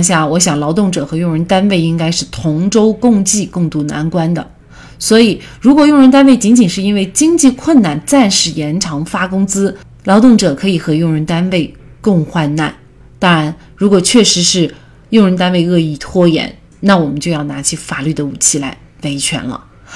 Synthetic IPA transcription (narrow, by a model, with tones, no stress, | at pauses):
ɕ̬ja˥˩wɔ˧˥ɕjɑ˨˩ŋlɑ˧˥ʊt̪̬ʊ˥˩ŋʈ͡ʂɤ˨˩xɤ˧˥jʊ˥˩ŋɻə˧˥nt̪a˥nwe˥˩ɪi˥ŋka˥ɪʂɻ̩˥˩t̪ʰʊ˧˥ŋʈ͡ʂo˥ʊkʊ˥˧ŋt͡ɕi˥˧kʊ˥˧ŋt̪u˥˩na̰˧˥nkwa˥nd̪ə̰˨ | swɔ˧˥i˨˩ | ɻu˧˥kwɔ˨˩jʊ˥˩ŋɻə˧˥nt̪a˥nwe˥˩ɪt͡ɕi˧˥nt͡ɕi˨˩nʂɻ̩˥˩i˥nwe˥˩ɪt͡ɕi˥ŋt͡ɕi˥˧kʰwə˥˩nna˥˩nt͡sa˥˧nʂɻ̩˥˩jɛ˧˥nʈ͡ʂʰɑ˧˥ŋfa˥kʊ˥ŋt͡sɹ̩˥ | lɑ˧˥ʊt̪ʊ˥˩ŋʈ͡ʂɤ˨˩kʰɤ˧˥i˨˩xɤ˧˥jʊ˥˩ŋɻə˧˥nt̪a˥nwe˥˩ɪkɤ˥˧ŋxwa˥˧nna̰˥˩n | t̪ɑ˥ŋɻa˧˥n | ɻu˧˥kwɔ˨˩t͡ɕʰɥɛ˥˩ʂɻ̩˧˥ʂɻ̩˥˩˧ | jʊ˥˩ŋɻə˧˥nt̪a˥nwe˥˧ɪɤ˥˧i˥˩t̪ʰwɔ˥jɛ̰˧˥n | na˥˩wɔ˨˩mə˦nt͡ɕjo˥˧ʊjɑ˥˩ʊna˧˥t͡ɕʰi˧˥fa˨˩ly˥˩d̪ə˩u˨˩t͡ɕʰi˥˩la˧˥ɪ | we˧˥ɪt͡ɕʰɥɛ̰˧˥nlə̰˧